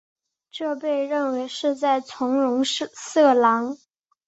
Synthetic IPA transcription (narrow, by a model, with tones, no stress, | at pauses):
ʈ͡ʂɤ˥˧pe˥˧ɪɻə˥˩nwe˧˥ɪʂɻ̩˥˧t͡sa˥˩ɪt͡sʰʊ˧˥ŋɻʊ˧˥ŋʂsɤ˥˩lɑ˧˥ŋ